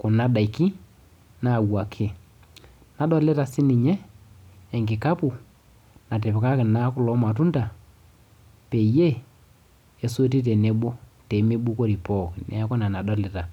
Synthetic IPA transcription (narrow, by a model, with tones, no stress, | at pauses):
kʊ˨na˦da˨i˨ki˦ | na˦˨wa˨kʰɪ˦ | na˨dɔ˦lɛ˦ta˨sɪ˦nɪ˨ɲɛː˦˨ | ŋɡɪ˨ka˦pu˨ | na˨t̬ɛ˨pɪ˨ka˦kɪ˨na˦kʊ˦lɔ˨˦ma˨tu˦nda˨ | pe˨je˦˨ | so˦ti˦t̬e˨ne˨˦ɓo˦te˨˦me˦ɓu˦ko˦ɾi˨pɔ˦˨knɛ̰˨a˦kɔ˦na˨na˨dɔ˦lɛ˦ta˨